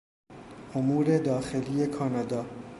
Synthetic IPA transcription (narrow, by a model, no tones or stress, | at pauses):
omuːɾe̞d̪ɒːxe̞liːje̞kʰɒːnɒːd̪ɒː